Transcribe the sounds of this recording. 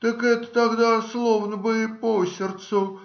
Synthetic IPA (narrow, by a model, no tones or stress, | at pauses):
t̪əkɛt̪ə̥t̪aɡd̪aslˠovnəbɨɪposʲɪrt̪sʊ